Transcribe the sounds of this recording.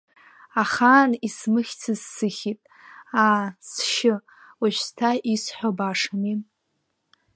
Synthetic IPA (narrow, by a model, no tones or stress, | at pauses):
aχaːnismɨχʲt͡sʰɨzːɨχʲitʼ | aːsʃɪ | waʃʷᶣstʰaisħʷᶣobaʂamin